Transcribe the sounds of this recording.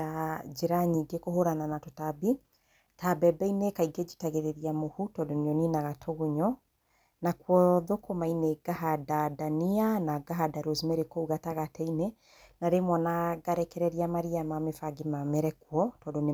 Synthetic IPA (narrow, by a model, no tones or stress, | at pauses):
ad͡ʒeɾaɲiɡekoɦoɾananatotabi | tabɛbɛinekaiɡed͡ʒi̥taɣeɾeɾiamohutɔdoneɔninaɣatʰoɣuɲɔ | nakwɔðokomaineɡaɦadadanianaɡaɦadaɾozimɛɾekouɣataɣatɛine | naɾemwɔnaɡaɾɛkɛɾɛɾiamaɾiamamefaɡemamɛɾɛkwɔtɔdone